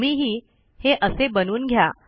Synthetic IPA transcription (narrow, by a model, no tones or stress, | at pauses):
miɦiː | heʔəsebənuːnɡʱja